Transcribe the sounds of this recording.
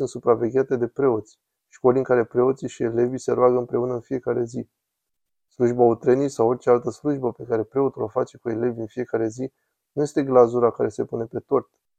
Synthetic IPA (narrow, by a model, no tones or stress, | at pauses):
unt̪supɾave̞ɡʲeat̪e̞d̪e̞pɾe̞o̞t̪sʲ | ʃkoliŋkaɾe̞pɾe̞o̞t̪siʃie̞le̞vise̞ɾoaɡəɨmpɾe̞unəɨnfije̞kaɾe̞zi | sluʒbaut̪ɾenijsawo̞rt͡ʃe̞alt̪əsluʒbəpe̞kaɾe̞pɾe̞o̞t̪ulofat͡ʃe̞kue̞le̞vʲɨnfije̞kaɾe̞zi | nuje̞st̪e̞ɡlazuɾakaɾe̞se̞pune̞pe̞t̪o̞rt̪